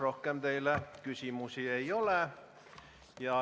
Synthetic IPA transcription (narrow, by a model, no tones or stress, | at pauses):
rohkːemd̪eilækysimusieioleˑ | jɑ